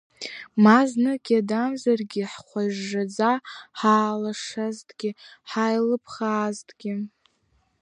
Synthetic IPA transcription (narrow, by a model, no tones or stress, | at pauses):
maznɨɡʲadamzarɡʲɪħχʷaʐːad͡zaħaːlaʂaztʰʼɡ̥ʲɪħajlɨpʰχaːztʰʼɡʲɪ